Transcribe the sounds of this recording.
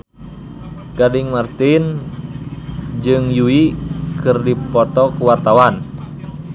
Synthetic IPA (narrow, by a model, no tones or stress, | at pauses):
ɡadiŋmart̪in | d͡ʒɨŋjuikɨrdipɔt̪ɔkuwart̪awan